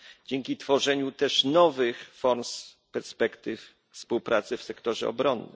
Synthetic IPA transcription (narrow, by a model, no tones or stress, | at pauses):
d͡ʑɛŋkʲit̪fɔʐɛɲut̪ɛʂnɔvɘxfɔɾms | pɛɾspɛkt̪ɘf | fspuwpɾʔat̪sɘfsɛkt̪ɔʐɛ̰ɔ̰bɾɔnːɘ̰m